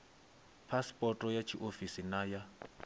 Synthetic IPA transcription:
pʰaspʼɔtʼɔjat͡ʃʰiʔofisinaja

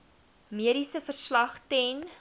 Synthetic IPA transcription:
miəɾisəfərslɐχtɛn

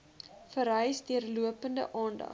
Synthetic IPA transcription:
fəɾɦœjsdiərluəpəndə̰ʔɑːndɐ̰

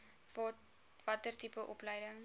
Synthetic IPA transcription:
vɐtərtipəʔɔpləjdəŋ

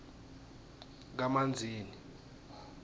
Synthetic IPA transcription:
k̬amand͡zʱiːni

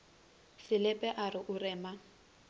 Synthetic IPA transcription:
sɪlɛpʼɛʔarɪʔʊrɛːma

